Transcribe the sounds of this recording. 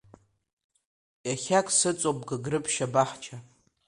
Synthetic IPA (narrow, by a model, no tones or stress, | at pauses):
jaχʲakʷʰʼsɨt͡sʼop̚ʼɡaɡrɨpʰʼʃabaħt͡ʃʰa